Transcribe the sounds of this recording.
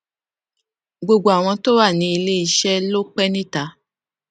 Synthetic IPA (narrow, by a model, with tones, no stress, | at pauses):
ɡ͡bo˨ɡ͡bo˨a˨w̃ɔ̃˧to˦wa˦˨nĩ˧˦i˧le˦i˧ʃɛ˦lo˦k͡pɛ˦nĩ˦ta˨˦